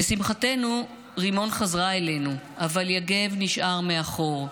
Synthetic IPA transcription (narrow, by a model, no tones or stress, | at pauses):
besimχate̞nu | ʁimo̞nχazʁaele̞nuavaljaɡe̞vniʃʔaʁmeaχo̞ʁ